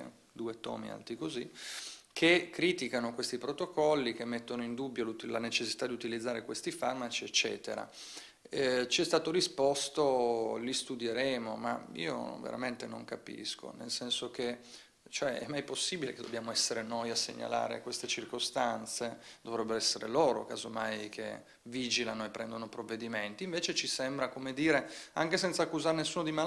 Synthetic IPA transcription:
d̪uːet̪ɔ̰ːmḭa̰lt̪ikozikʰekːɾiːt̪ikanokwest̪ipɾot̪okɔlːikemːet̪ːonoind̪ubːjoluilanet͡ʃesːi̥t̪ad̪iut̪ilid̪zːaːɾekwest̪ifarmat͡ʃiet͡ʃːɛ̰ːt̪ḛɾa̰ | ɛt͡ʃɛst̪aːt̪oɾispɔst̪olist̪ud̪jeɾɛːmoma̰ḭːo̰vḛɾʔa̰ment̪eno̰ŋkapḭskʰo̰nḛlsɛnsok̟e | t͡ʃoɛɛ̰mːajposːiːbileked̪obːjaːmoɛsːeɾenojasːḛɲːa̰la̰ːɾḛkwest̪et͡ʃirkost̪ant̪sed̪̥ovɾɛbːeɾoɛsːeɾḛloːɾo̰kaːzomajk̟ʰḛ | viːd͡ʒilanoepːɾɛnd̪onopɾovːed̪iment̪iːɱveːt͡ʃet͡ʃisɛmbɾakomed̪iːɾeaŋkesɛnt̪sakːuzaɾenesːuːnod̪ima

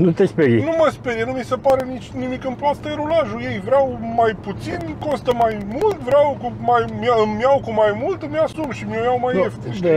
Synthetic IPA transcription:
nũt̪espeɡinũmɐspeɣɐnɐ̃w̃misɐpaɾɐnĩʃnimikɐ̃mplˠast̪ɐjɾulaʒuevɾawmajput̪sinkõst̪ɐmajmuld̪vɾawkũmajmjamjawkũmajmulˠt̪ɐmjasumʃimjɐmjawmajeft̪iʃd̪

